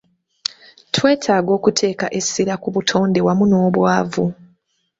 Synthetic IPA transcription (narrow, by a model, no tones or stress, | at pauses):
twe̞ːtʰaːɡo̞ːkutʰe̞ːka̰ʔe̞sːiɾakuβutʰo̞ːnde̞wamuno̞ːβwaːvu